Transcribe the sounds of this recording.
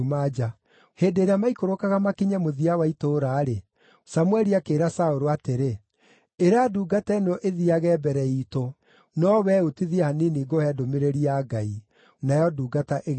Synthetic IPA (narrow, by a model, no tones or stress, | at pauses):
mad͡ʒa | heːdeːɾeamaikoɾokaɣamakiɲamoðiawaitoːɾaːɾe | samwɛɾiakeːɾasaoɾoateɾe | eɾaduːɡatɛnɔʔeðiaɣɛbɛɾɛito | nɔwɛotiðiahaniniːɡohɛːdomeɾeɾiaɡai | najɔduːɡataʔeɣ